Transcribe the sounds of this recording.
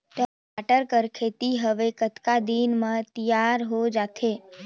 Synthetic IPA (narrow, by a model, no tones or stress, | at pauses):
t̪ə | aʈəɾkəɾkʰet̪iɦəʋekət̪kad̪inmãt̪ijaɾɦod͡ʒat̪ʰe